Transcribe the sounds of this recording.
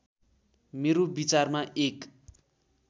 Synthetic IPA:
meɾobit͡sarmaʔek

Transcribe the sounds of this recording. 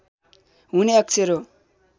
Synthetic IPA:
ɦuneʌk̚t͡sʰeɾo

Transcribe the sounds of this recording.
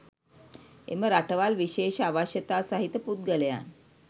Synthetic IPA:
eməɾaʈəʋalʋiɕeɕaʋaɕjət̪asaɦit̪əpud̪̚ɡələja̰n

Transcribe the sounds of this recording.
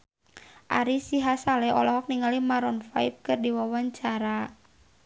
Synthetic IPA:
ʔa̰ɾisiɦasalɛɔ̰lɔɦɔk̚niŋalimaɾɔnfajp̚kɨrdiwawaɲt͡ʃaɾa

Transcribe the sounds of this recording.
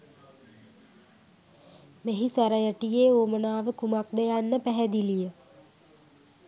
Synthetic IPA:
meɦisaɾajəʈijeːoːmənaːʋəkumak̚d̪ejanːəpæɦɛd̪ilijə

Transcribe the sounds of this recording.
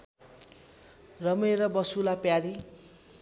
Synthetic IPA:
rʌmeɾʌbʌsulapjaɾi

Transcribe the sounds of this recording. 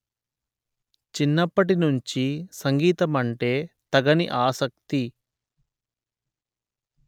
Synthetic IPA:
t͡ʃinːɐpːɐʈinuɲt͡ʃisɐŋɡiːt̪ɐmɐɳʈe̞ːt̪ɐɡɐniʔaːsɐk̚t̪i

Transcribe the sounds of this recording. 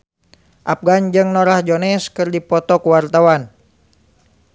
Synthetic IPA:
ʔap̚ɡand͡ʒɨŋnɔɾahd͡ʒonɛskɨrdipɔt̪ɔkuwart̪awan

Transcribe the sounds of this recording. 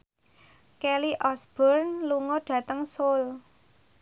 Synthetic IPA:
kɛliʔɔsb̥ɔrnluŋɔɖ̥ä̤t̪əŋsol

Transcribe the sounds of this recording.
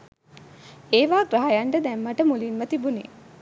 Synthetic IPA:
eːʋaːɡɾaɦajaɳʈəd̪ɛmːaʈəmulinmət̪ibunḛː

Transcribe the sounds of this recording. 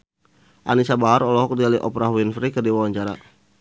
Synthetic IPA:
ʔanisabaɦaɾɔlɔɦɔk̚dialiʔɔpɾaɦwinfɾikərdiwawaɲt͡ʃaɾa̰

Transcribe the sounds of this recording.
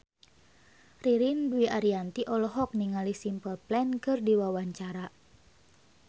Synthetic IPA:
riɾinduiʔaɾiant̪iʔɔlɔɦɔk̚niŋalisimpəlplɛnkɨrdiwawaɲt͡ʃaɾa

